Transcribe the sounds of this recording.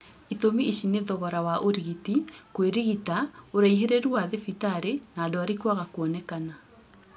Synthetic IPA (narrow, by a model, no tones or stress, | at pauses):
itomiiʃineðɔɣɔɾawaʔoɾiɣitikweɾiɣitaoɾaiɦeɾeɾuaðefitaɾenaːdoaɾikwaɣakwɔnɛkana